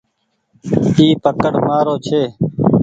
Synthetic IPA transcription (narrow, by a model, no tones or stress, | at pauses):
iːpəkəɽmaːɾoːt͡ʃʰeː